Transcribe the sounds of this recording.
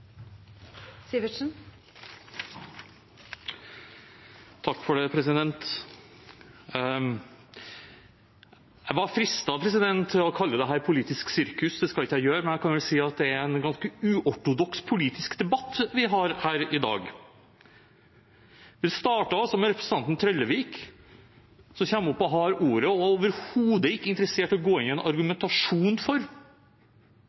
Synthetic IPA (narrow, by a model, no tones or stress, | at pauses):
siʋəʂn̩ | t̪ʰɑkːfɔɖɛpʰɾɛsɪd̪ɛnt̪ | jæɪʋɑɾfɾɪst̪ɑpʰɾɛsɪd̪ɛnt̪ʰːɪɔkʰɑlːəd̪ɛɦæːɾpʰʊliːt̪ɪsksɪɾkʉsd̪ɛskɑlɪkːəjæɪjøːɾəmɛnjæɪkʰɑnʋɛlsiːɑt̪̚d̪ɛæɾɾɛnɡɑnskəʉːʔɔʈʊd̪ɔkspʰʊliːt̪ɪskd̪ɛbɑt̪ːʋɪɦɑɾhæːɾɪd̪ɑ̰ːɡ | ʋɪst̪ɑːʈɑɔsɔmɛɾɛpʰɾəsn̩t̪ɑnt̪n̩t̪ʰɾœlːəʋiːk | sɔçɛmːʊpːɔɦɑːɾuːɾəɔoːʋəɾhuːd̪əɪkːəɪnt̪əɾəseːʈɔɡoːɪnɪɛnʔɑɾɡʉmɛnt̪ɑʂuːnfɔɾ